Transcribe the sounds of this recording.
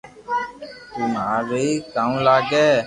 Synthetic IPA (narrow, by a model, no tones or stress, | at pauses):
t̪umaːɾeikãːũlaːɡeː